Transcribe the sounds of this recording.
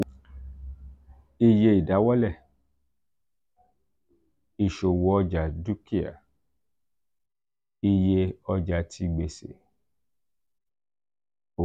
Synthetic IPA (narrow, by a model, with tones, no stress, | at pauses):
i˧je˧i˨da˨˦wɔ˦lɛ˦˨ | i˨ʃo˨wɔ˨ɔ˧d͡ʒa˨du˦ki˦a̰˨ | i˧je˧ɔ˧d͡ʒa˧tʰi˧ɡ͡be˧sḛ˨ | o˨